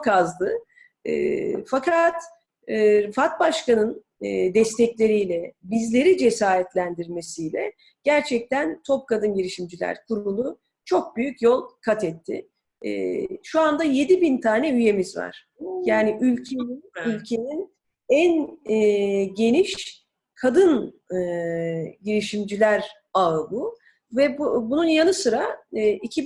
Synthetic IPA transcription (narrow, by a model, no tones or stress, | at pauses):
okazd̪ˠɯ | ɯ̰ːfakʰat̪ː | fat̪̚baʃkanɯn | d̪ɛst̪ʰɛclʲe̞ɾijlʲɛbizlʲe̞ɾid͡ʒe̞saːɾɛt̪lʲænd̪iɾme̞sijlʲɛ̰ | ɟ̥æɾt͡ʃʰɛc̚t̪ænt̪ʰo̞p̚kad̪ɯnɟiɾiʃimd͡ʒilʲæ̰ɾkʰuɾunˠu | t͡ʃʰo̞k̚byjycjo̞lˠkʰat̪ʰɛt̪ʰːɪ̰ | ʃuand̪aje̞d̪ibint̪ʰaːnɛyje̞mizva̰ɾ̥ | jaːnɪʔylʲcʰeninylʲcʰe̞nin | æn | ɟe̞niʃ | kʰad̪ɯnɯ | ɟiɾiʃimd͡ʒilʲæɾ | abu | vɛbununjanɯsɯɾaːicʰi